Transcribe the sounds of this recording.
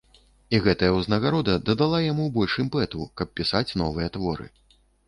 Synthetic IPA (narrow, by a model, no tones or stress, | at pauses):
iɣɛt̪ɐjɐwznɐɣaɾɔd̪ɐd̪ɐd̪alˠajamubɔlʲʂɨmʲpɛt̪ukɐp̚ːʲisat͡sʲnɔvɨjɐt̪vɔɾɨ̰